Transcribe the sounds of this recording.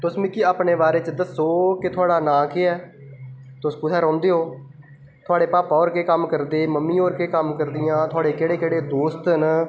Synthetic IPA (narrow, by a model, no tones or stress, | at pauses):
t̪ʊsmĩːkɪaːpɳeːbaːɾeːt͡ʃəd̪əsoːkɪt̪ʰʊaːɽaːnãːkeːɛː | t̪ʊspʊt̪ʰɛːɾɔ̃ːnd̪eːɦoː | t̪ʰʊaːɽeːpaːpaːoːɾkeːkəmkəɾd̪eːməmːĩːoːɾkeːkəmkəɾd̪ɪjãːt̪ʰʊaːɽeːkeːɽeːkeːɽeːd̪oːst̪n